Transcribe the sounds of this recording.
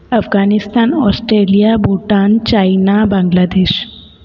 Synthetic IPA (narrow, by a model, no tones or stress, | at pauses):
ɐfɡaːnɪst̪aːnɔːsʈɾeːlijabuʈaːnt͡ʃaːinabɐ̃ŋɡlaːd̪eːʃ